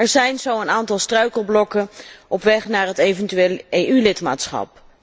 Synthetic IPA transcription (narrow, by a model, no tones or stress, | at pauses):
ɛɹzɛjnzowənaːntɑlˠstrœɥkəlˠblɔkənʔɔpʋɛχnaːɹɦətejvəntyʋeːlejylɪtma̰ːtsχɑ̰p